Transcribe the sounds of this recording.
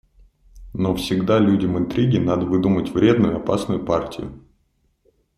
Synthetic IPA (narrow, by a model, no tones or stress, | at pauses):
nofsʲɪɡd̪alʲudʲəmɨnt̪ɾʲiɡʲɪnad̪əvɨd̪umətʲvɾʲe̞d̪nʊjʊɐpasnʊjʊpartʲɪjʊ̰